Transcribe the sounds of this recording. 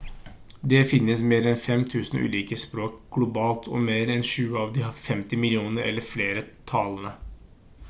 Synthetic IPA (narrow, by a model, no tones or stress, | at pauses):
d̪ɛfɪnːəsmeːɾɛnfɛmt̪ʰʉːsn̩ʔʉ̰ːliːkəspɾoːk̚ɡ̥lʊbɑːlt̪ʰɔ̰meːɾɛnʂʉːəɑːʋd̪ɪhɑfɛmt̪ɪmɪlɪuːnəɾɛ̰lːəɾfleːɾət̪ʰɑlənə